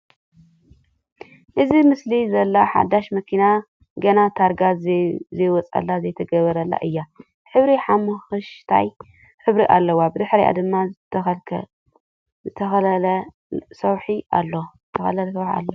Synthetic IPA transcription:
ʔɨzimɨslizɐlːaħa̰d̪aʃmɐkʰina | ɡɐnat̪ʰaɾɡazɐjwɔt͡sʼa̰lːazɐjt̪ʰɐɡɐβɐɾɐlːa̰ʔɨjːa | ħɨβɾiħamɨxɨʃt̪ʰa̰j | ħɨβɾiʔa̰lːɐwabɨd̪ɨħɾija̰d̪ɨmːaɐlʰ | zɨt̪ʰɐxɐlɐl | sɐwħiʔa̰lːoɨt̪ʰɐxɐ̰lɐlsɐwħa̰lːo

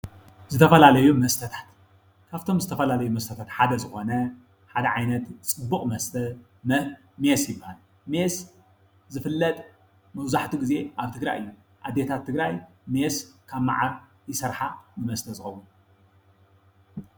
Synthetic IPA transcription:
zɨt̪ʰɐfɐlalɐjumɐst̪ʰɐt̪ʰḁt̪ | kʰaβt̪ʰo̞mzɨt̪ʰɐfɐlalɐjumɐst̪ʰɐt̪ʰat̪ħad̪ɐzɨxo̞nɐ | ħad̪ɐʕajnɐt̪t͡sʼɨbːukʼmɐst̪ʰɐ | mesjɪbːahal | mes | zɨfɨlːɐt̪ʼ | mɐwzaħt̪ʰuɡize̞ʔaβt̪ʰɨɡɾa̰jɨjːu | ʔad̪ːet̪ʰat̪ʰːɨɡɾaj | meskʰaβma̰ʕaɾ | jɪsɐɾħanɨmɐst̪ʰɐzɨxɐwːun

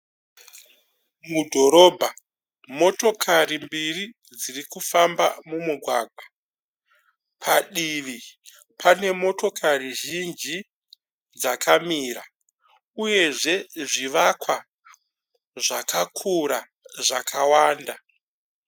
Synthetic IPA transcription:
mudʱo̞ɾo̞ːbʱa | mo̞to̞kʰarimbiri | d͡zirikufamba̰mumuɡʱwaːɡʱwa | pʰaɗiʋi | pʰane̞mo̞to̞kʰariʒind͡ʒi | d͡zakamiːɾa | uje̞ʐe̞ʐiʋakwa | ʐakʰakʰuɾa | ʐakawaːnda

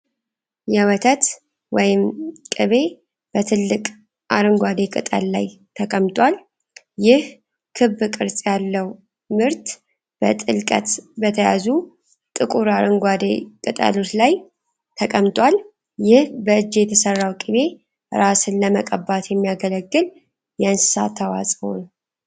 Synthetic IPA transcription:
jɛwət̪ʰət̪ | wɔjɪmkʼɨβe̞ | b̥ət̪ʰɨlːɨkʼ | ʔaɾɨŋɡʷad̪e̞kʼɨ̰t̪ʼə̰lla̰j | t̪ʰəkʼəmt̪ʼwal | jɪh | kʰɨβːkʼɨɾsʼjalːəw | mɨɾt̪ | b̥ə̰t̪ʼɨlkʼə̰t̪bət̪ʰəja̰zu | t̪ʼɨkʼuɾaɾɨŋɡʷad̪ekʼɨt̪ʼə̰lot̪laj | t̪ʰəkʼəmt̪ʼwal | jɪhbəɨd͡ʒːjɛt̪ʰəsərːawkʼɨβe̞ | ɾasɨnləməkʼəbat̪jɛmːijaɡələɡːɨl | jɛɨnsɨ̥sa̰t̪ʰːawa̰sʼho̰nw

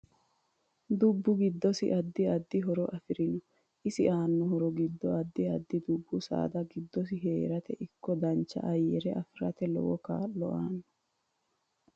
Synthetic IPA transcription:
d̪ʊbːʊɡɪd̪ːɔsɪ̰ʔɐd̪ːɪɐd̪ːɪɦɔɾɔʔɐfɪɾɪnɔ | ʔɪsɪʔaːnːʊɦɔɾɔɡɪd̪ːɔɐd̪ːɪɐd̪ːɪd̪ʊbːʊsa̰ːd̪ɐɡɪd̪ːɔs̬ɪɦeːɾɐt̪ɛʔɪkːɔd̪ɐnt͡ʃːɐ̰ʔɐjːɛ̰ɾɛʔɐfɪɾɐ̰t̪ɛlɔ̰wɔkaːlːɔ̰aːnːɔ

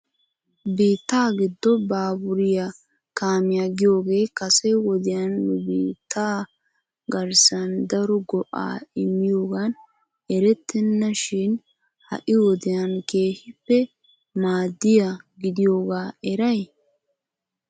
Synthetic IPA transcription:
biːt̪ːaːɡɪd̪ːɔbaːbʊɾɪja | kaːmɪjaɡɪjo̞ːɡe̞ːkɐsɛwɔd̪ɪjɐnːʊbiːt̪ːaː | ɡɐɾsɐnd̪ɐɾɔɡɔʔa̰ːɪmːɪjo̞ːɡɐn | ɛɾɛt̪ʰːɛnːɐʃɪn | hɐ̰ʔɪwɔd̪ɪjɐnke̞ːhɪpːɛ | maːd̪ːɪjaɡɪd̪ɪjo̞ːɡaːɛɾɐj

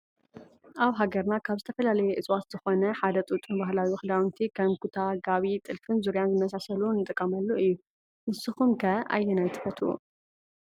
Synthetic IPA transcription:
ʔaβɦaɡɐɾnakʰaβzɨt̪ʰɐfɐlalɐjɛʔɨt͡sʼwat̪z̥ɨxo̞nɐħad̪ɐt̪ʼut̪ʼunbaɦlawixɨd̪awnt̪ʰikʰɐmkʰut̪ʰaɡaβit̪ʼɨlfɨnzuɾjanzɨmɐs̬asɐlunːɨt̪ʼɨkʼːɐmɐlːuɨjːu | ʔɨsɨxumkʰɐʔa̰jːɛnajt̪ʰɨ̥fɐt̪ʰṵ

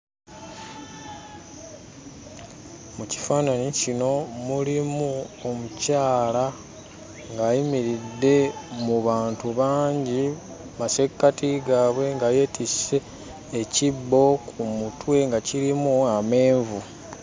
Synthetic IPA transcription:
muci̥faːnanicino̞mulimuo̞mucaːla | ŋɡaːjimiɾidːe̞muβaːntuβaːɲɟi | mase̞kːatiɡaːβwe̞ŋɡaːje̞tise̞ː | cibːo̞kʰumutwe̞ŋɡaciɾimuame̞ːɱvu

